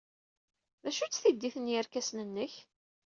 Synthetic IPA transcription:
ðæʃut͡sːθid̪ːiθənjæɾkæsnənːəç

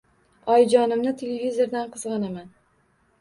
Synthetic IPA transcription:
ɒjd͡ʒɒnɪmnɪt̪ʰelevʲizo̞ɾd̪anqʰɨzʁɑnaman

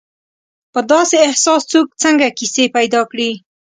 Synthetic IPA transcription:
pəd̪ɑseːhsɑst͡sok̚t͡səŋɡakisepajd̪ɑkɽi

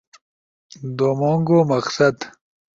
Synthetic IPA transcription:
d̪omoŋɡomɐqsɐd̪

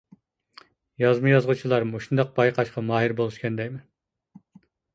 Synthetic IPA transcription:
jɑzmɨjɑzʁut͡ʃʰilˠɑɾmoʃund̪ɑq̚b̥ɑjqʰɑʃqɑmɑːɦiɾbolˠuʃkʲɛnd̪ɛkʲmɪn

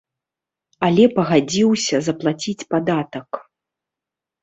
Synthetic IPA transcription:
alʲɛpɐɣad͡zʲiwsʲɐzɐplˠat͡sʲit͡sʲpad̪at̪ɐk

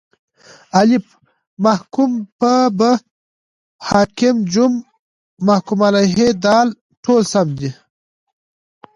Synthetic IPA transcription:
alip | mahkumpəbə | hɑːkimd͡ʒumː | ahkumalaɦed̪ɑːl | ʈʰoːlsamd̪i

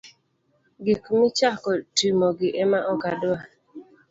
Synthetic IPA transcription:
ɡikmit͡ʃakɔtimɔɡɪʔemaʔɔkadʊa

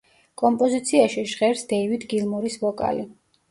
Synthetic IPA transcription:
kʼɔmpʼɔzit̪sʰiaʃiʒʁɛɾsd̪ɛivid̪ɡilˠmɔɾisvɔkʼa̰li

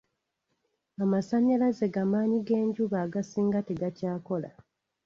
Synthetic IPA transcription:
amasaɲːalaze̞ɡamaːɲiɡe̞ːɲɟuβaːɡasiːŋɡateɡacaːko̞la̰

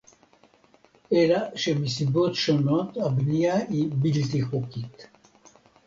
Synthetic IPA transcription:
elaʃemisibot̪ʃonot̪abnijaibilt̪ixokit̪

